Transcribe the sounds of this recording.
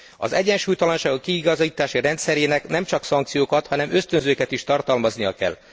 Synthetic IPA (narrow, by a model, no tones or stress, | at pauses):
ɒ̰zɛɟːɛnʃuːjt̪ɒlɒnʃaːɡokːiːɡɒzit̪aːʃiɾɛnt̪sɛɾeːnɛknɛmt͡ʃɒksɒŋkt̪sijoːkɒt̪hɒnɛmø̞st̪ønzøːkɛt̪iʃt̪ɒrt̪ɒlmɒznijɒkɛ̰l